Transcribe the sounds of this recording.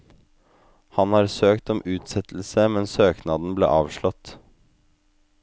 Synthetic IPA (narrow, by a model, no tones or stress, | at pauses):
hɑnhɑːɾsøːkt̪ɔmʉːt̪sɛt̪l̩səmɛnsøːknɑd̪n̩blḛːʔɑːʋʂɭɔt̪